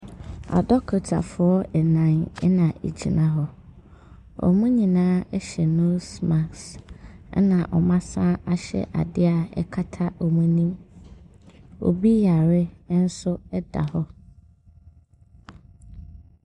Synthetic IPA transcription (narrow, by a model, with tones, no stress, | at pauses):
a̰˨dɔ˦kʰɔ˨tʰa̰˨fʊ˨ɔ˦ɛ˨nã˨n˦nã˨ʔḛ˨d͡ʑi˨nã˨˦ɦɔ˦ | ɔ̰˨mũ˦ɲĩ˨nãː˦ɛ˦ɕɛ˨nʊ̃˦sma˨ks | nã˨ʔɔ˨mã˦sã˦ʔa˨ɕɛ̰˦˨ʔa̰˨dɪ˦a˨ɛ̰˦kʰa˦tʰa˦ɔ˨mũ˦nĩ˦m | ɔ̰˨bi˦ja˨ɾɪ˦n̩˦sʊ˦ɛ˦da̰˨hɔ˦